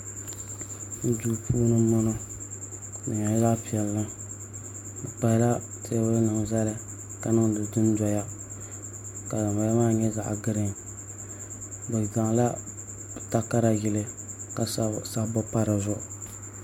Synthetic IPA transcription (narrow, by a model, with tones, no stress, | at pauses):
n̩˦du˦˨pʰuː˦nɨ˦nɔ˦nɔ˦ | nɨ˨ɲa˨˦za˦pi˨ɛ˨lːɨ˦ | bɨ˨k͡pa˨hɪ˦la˦ | tʰe˦bʊ˦lnɨ˨ŋ˨za˦lɨ˦ | ka˨nɨ˦ŋdɨ˨dɨ˦n˦dɔ˨ja˦ | ka˨dɨ˨ba˨ja˦maː˦ɲɛ˦za̰˨ʔɡɨ˦ɾɨ˦ŋ | bɨ˨za˨ŋ˨la˦ | bɨ˨ta˦ka˦ɾa˨ɡɪ˨lɨ˦ | ka˨sa˦bɔ˦pa˦ɾɨ˨zʊ˦ʔ